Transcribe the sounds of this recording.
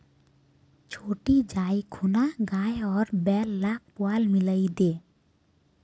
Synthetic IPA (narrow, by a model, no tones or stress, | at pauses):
t͡ʃʰoːʈid͡ʒaikʰunaɡaːjɔːɾbɛːlːak̚pʊalmɪləid̪eː